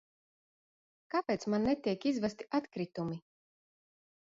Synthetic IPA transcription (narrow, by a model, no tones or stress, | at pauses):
kapʲɛːt̪smanːɛt̪ʲiɛkizvast̪i̥ʔat̪kɾit̪umi